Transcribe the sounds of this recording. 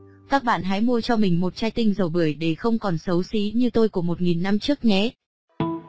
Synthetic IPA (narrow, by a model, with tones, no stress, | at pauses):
kaː˦˥k̚ɓa̰ː˧˨nɦa̰ː˨˦jmu˧əjt͡ɕɔ˧mï˨˩ŋ̟mo˨˩t̚t͡ɕaː˧jt̪ï˧ŋ̟zə˨˩wɓɨ˧˩əjɗe˧˩xə˧wŋ͡mkɔ˨˩nsə˨˦wsi˨˦ɲɨ˧t̪o˧jku˧˩əmo˨˩t̚ŋi˨˩nːa˧mt͡ɕɨ˦˥ək̚ɲɛ˨˦